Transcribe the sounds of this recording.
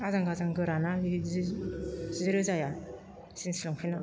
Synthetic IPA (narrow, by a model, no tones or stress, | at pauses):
azaŋɡazaŋɡɯɾanaz | zɯɾɯzaja | sinsilɔŋpʰina